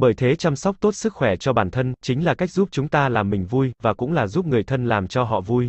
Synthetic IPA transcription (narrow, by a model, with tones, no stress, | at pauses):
ɓəː˧˩jt̪ʰe˨˦t͡ɕa˧msa˦˥wk͡p̚t̪o˦˥t̚sɨ˦˥k̚xwɛ˧˩t͡ɕɔ˧ɓaː˨˩nt̪ʰə˧nt͡ɕï˨˦ŋ̟laː˨˩ka˦˥jk̚zu˦˥p̚t͡ɕʊ˨˦ŋ͡mt̪aː˧laː˨˩mːï˨˩ŋ̟vu˧jvaː˨˩kʊ̰˧˥ŋ͡mlaː˨˩zu˦˥p̚ŋɨ˨˩əjt̪ʰə˧nlaː˨˩mt͡ɕɔ˧ɦɔ̰˧˨vu˧j